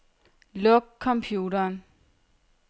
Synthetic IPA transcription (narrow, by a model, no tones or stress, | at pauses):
lɔɡ̥̚kʰːɒ̽mpʰjuːɾɐːn